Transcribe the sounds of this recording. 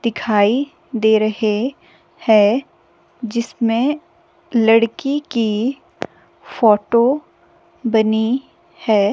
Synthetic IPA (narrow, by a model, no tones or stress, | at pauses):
d̪̥ɪkʰaːi | d̪eːɾɐɦe | hɛ̃ː | d͡ʒɪsmẽ | lɐɽkiki | fɔːʈo | bɐni | hɛː